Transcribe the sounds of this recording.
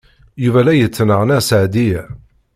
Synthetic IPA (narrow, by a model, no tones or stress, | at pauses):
juvælæjət͡sːnəʁnæsʕd̪i